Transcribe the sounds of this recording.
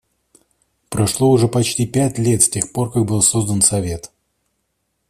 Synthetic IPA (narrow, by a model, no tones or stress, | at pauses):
pɾɐʂlˠoʊʐɛpɐt͡ɕtʲipʲætʲlʲe̞t̪sʲtʲe̞xpo̞rkak̚bɨlˠso̞zd̪ənsɐvʲe̞t̪